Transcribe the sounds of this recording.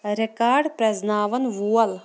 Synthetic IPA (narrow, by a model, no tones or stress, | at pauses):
ɾekaːɾɖpɾɐznaːʋɐnʋuːɐl